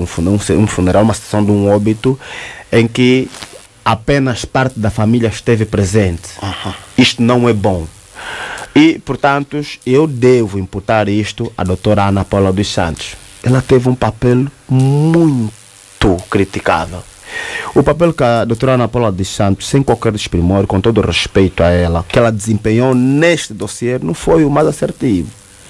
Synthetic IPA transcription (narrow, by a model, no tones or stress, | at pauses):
ũfunũsũfuneɾalumɐsi̥t̪sḁsɐ̃w̃d̪ũɔbit̪uẽkɪ | apẽnɐʃpaɾt̪ɪd̪ɐfamiljɐʃt̪evɨpɾezẽnt̪ahãiʃt̪unɐ̃w̃ɛbõ | ipɔɾt̪ãnt̪uʃewd̪evuĩmput̪aɾiʃt̪uɐ̰d̪owt̪oɾɐanapɔlɐd̪usɐ̰̃nt̪u̥ʃ | ɛlɐt̪evũpapɛlmũj̃ | t̪ukɾit̪ika̰vɛ̰l | upapɛlkɐd̪ot̪oɾɐanapɔlɐd̪usɐ̃nt̪u̥ʃsẽj̃kwalkɛɾd̪ɪʃpɾimoɾkõt̪od̪uʁeʃpejt̪uɐɛlɐkɛlɐd̪ɪzẽmpeɲowneʃt̪ɨd̪osieɾnɐ̃w̃fojumajzaseɾt̪ivu